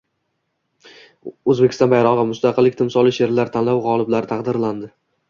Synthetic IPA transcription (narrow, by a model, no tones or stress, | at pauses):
ɵzbekʲɪ̥st̪ɒ̃nbajɾɒʁɨmʊst̪ɑqʰɨlːɪkʲt̪ʰɪmsɒlˠɪʃe̞ɾlaɾt̪ʰanlawʁɒlˠɪblaɾɪt̪ʰɑqd̪ɪɾland̪ɪ